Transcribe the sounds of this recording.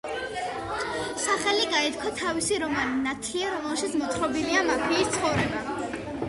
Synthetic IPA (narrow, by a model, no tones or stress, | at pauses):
saχɛliɡaɛt̪kʰat̪ʰavisiɾɔmaninat̪ʰliaɾɔmɛlˠʃit̪sʰmɔt̪ʰχɾɔbiliamapʰiːst̪sʰχɔvɾɛba